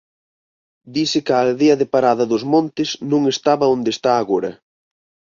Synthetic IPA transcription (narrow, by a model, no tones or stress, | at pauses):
d̪isɪkaːlðeɐðɪpaɾaðɐðʊzmõnt̪ɪsnũŋest̪aβɐond̪est̪aːɣoɾɐ̰